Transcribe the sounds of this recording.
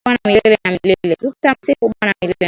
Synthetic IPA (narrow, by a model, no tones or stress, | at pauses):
anamilɛlɛnamilɛlɛtutamsikuɓanamilɛlɛ